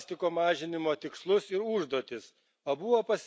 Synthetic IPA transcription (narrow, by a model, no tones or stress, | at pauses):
sʲt̪ʲɪkoːmɑːʒʲɪnʲɪmoːt̪ʲɪkslˠʊsɪɾʊʒd̪oːt̪ʲɪs | oːbʊʋoːpɐsʲ